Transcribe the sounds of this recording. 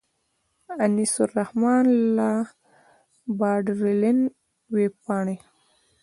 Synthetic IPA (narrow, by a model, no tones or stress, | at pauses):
anisʊrahmɑːnla | bɑːɖɾelɪn | wepɑːɳe